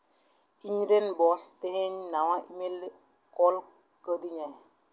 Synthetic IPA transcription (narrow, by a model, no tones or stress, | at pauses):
iɲɾenbɔsteheɲnawãʔimel | kɔl | kədiɲɛ